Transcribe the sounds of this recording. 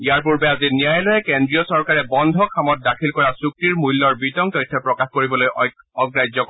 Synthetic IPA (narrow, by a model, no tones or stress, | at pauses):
ijaɹp̬uɹbɛazinijajlɔjɛkendɹiɔsɔɹkaɹɛbɔndʱɔkʰamɔt̚dakʰilkɔɹasuk̚tiɹmuilːɔɹbitɔŋtɔjtʰːɔpɹɔkaxkoɹibɔloj | ɔɡɹajd͡ʒɔkɔ